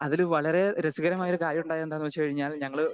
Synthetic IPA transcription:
ɐðilʋɐɭɐɾe̞ɾɐsiɣɐɾɐmaːjoɾukaːjɐuɳɖaːjɐend̪aːnːɨʋt͡ɕːɨkɐɻiɲːaːlɲɐŋːɐɭ

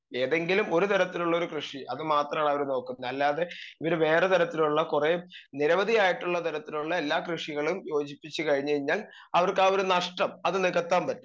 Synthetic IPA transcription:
eːðe̞ŋɡilumo̞ɾut̪ɐɾɐt̪ːiluɭːɐo̞ɾukrɨʂiɐðɨmaːt̪rɐmaːɳɐʋɐɾuno̞ːkːunːɐɐlːaːðe̞iʋɐɾuʋe̞ːret̪ɐɾɐt̪ːiluɭːɐkure̞niɾɐʋɐd̪ʱijaːjiʈːuɭːɐt̪ɐɾɐt̪ːiluɭːɐe̞lːaːkrɨʂiɣɐɭumjo̞ːd͡ʑipːit͡ɕːɨkɐɻiɲːɐɻiɲːaːl | ɐʋɐrkaːo̞ɾunɐʂʈɐmɐðɨniɣɐt̪ːaːmpɐtːu

